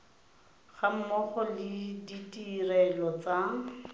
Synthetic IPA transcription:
χam̩mɔχɔlɪditʼirɛlɔt͡sa

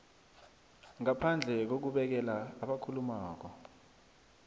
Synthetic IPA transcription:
ŋapʰand͡ɮʱɛk̬ok̬uɓɛk̬ɛlaːɓakʰulumaːk̬ɔ

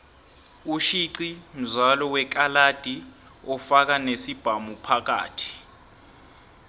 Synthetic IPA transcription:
uʃiǀim̩zalɔwɛk̬alad̥ʱi | ɔfak̬anesib̥ʱamupʰak̬a̰ːtʰi̥

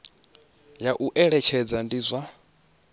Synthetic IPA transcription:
jaʔuʔɛɺɛt͡ʃʰɛd͡zandizʷa

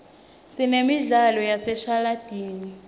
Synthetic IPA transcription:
sinemiɮalɔjasɛʃalad̥ʱiːni

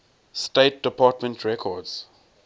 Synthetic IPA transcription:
steːt̚dəpaːtmə̃ntʰɹɛkʰɔdz̥

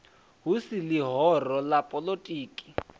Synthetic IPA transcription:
ɦusilɪɦɔrɔlapʼɔlotʼiːkʼi̥

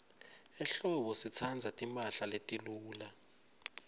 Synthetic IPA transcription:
ɛɬɔɓɔsit͡sʰand͡zʱatʼimpʼaɬaletʼiluːla

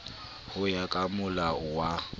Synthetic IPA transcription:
hʊjakʼamʊlawa

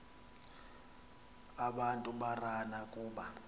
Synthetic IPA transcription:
aɓantʼuɓaranakʼuːɓa

